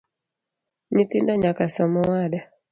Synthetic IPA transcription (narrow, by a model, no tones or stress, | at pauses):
ɲit̪indɔɲakasɔmɔwada